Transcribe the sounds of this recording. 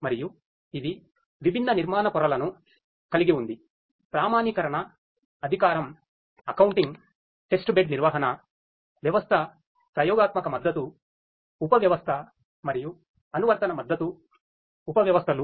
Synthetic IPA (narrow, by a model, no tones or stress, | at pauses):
mɐɾiju | id̪i | ʋibʱinːɐniɾmaːnɐpɔɾɐlɐnu | kɐliɡiund̪i | pɾaːmaːnikɐɾɐɳɐː | ɐd̪ʱikaːɾɐm | ɐkɐwuɳʈiŋɡ | ʈesʈubeɖniɾʋaːɦɐnɐ | ʋjɐʋɐst̪ʰɐ | pɾɐjɔːɡaːt̪mɐkɐmɐd̪ːɐt̪u | upɐʋjɐʋɐst̪ʰɐ | mɐɾiju | ɐnuʋɐɾt̪ɐnɐmɐd̪ːɐt̪uː | pɐʋjɐʋɐst̪ʰɐlu